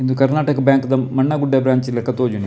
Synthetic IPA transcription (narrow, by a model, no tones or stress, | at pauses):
ind̪ukɐɾnaːʈɐkɐbjaːŋkɐd̪ɐmɐɳːɐɡuɖːebɾaːɲt͡ʃilɐkːɐt̪oːd͡ʒune